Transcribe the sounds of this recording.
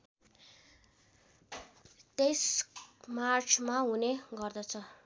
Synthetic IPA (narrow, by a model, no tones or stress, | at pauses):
t̪esmart͡sʰmaɦuneɡʌrd̪ʌt͡sʰʌ